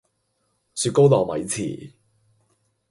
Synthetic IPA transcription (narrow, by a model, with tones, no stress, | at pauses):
syː˧t̚ko˥wt̪ɔː˨˩mɐ̰˨˥jt͡sʰḭː˨˩